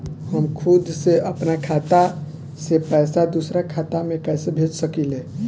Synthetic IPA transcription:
həmkʰud̪seəpnakʰat̪a | sepɛːsad̪usɾakʰat̪amekɛsebʱed͡ʒsəkile

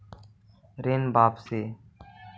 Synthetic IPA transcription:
ɾeːnbaːpseː

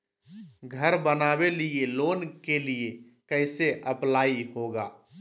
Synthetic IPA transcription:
ɡʱəɾbənaːbelieloːnkelie | kəɪseʔəplaːiɦoɡaː

